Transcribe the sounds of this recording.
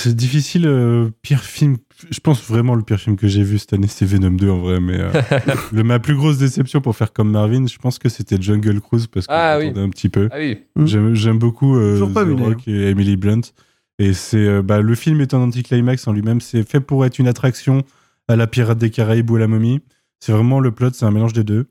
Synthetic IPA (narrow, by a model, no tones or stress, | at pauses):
sɛd̪ifisiløpiʁfilm | ʒəpɑ̃svʁɛmɑ̃ləpiʁfilmkəʒevysɛ̥t̪anesɛvenɔmd̪øɑ̃vʁɛmɛ̰ø̰lmaplyɡʁos̬d̪esɛpsjɔ̃puʁfɛʁkɔmːaʁvinʒ̥əpɑ̃skəset̪ɛʒɔ̃nɡœlkχuzpaʁsə̥awid̪ɛɛ̃pət̪ʰipøwiʒɛmʒɛmbokuøkɛemiliblɔ̃t̪ | esɛøbaləfilmɛt̪ɛ̃nɑ̃t̪̬iklajmaksɑ̃lɥimɛmsɛfɛpuʁɛt̪χynat̪χaksjɔ̃ | alapiʁat̪̚d̪ekaʁajbualamɔmi | sɛvʁɛmɑ̃ləplɔt̪sɛɛ̃melɑ̃ʒd̪ed̪ø